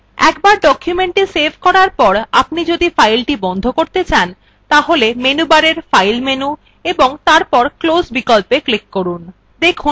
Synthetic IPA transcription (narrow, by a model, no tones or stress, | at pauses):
ɛ̰kbaɾɖɔkʰjumeɳʈisebʱkɔɾaɾpɔɾapnid͡ʑod̪ifajlʈibɔnd̪ʱokoɾt̪et͡ɕan | t̪aɦolemenubaɾeɾfajlmenu | eboŋt̪aɾpɔɾklosbikolpeklikːoɾun | d̪ekʰu